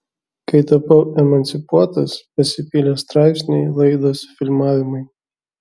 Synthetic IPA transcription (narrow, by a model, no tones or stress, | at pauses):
kɐɪt̪ɐpɐʊɛmɐnʲt̪sʲɪpuɔt̪ɐspɐsʲɪpʲilʲest̪ɾɑˑɪpʲsʲnʲɛɪlˠɐɪd̪oːsfʲɪlʲmɑːʋʲɪmɐɪ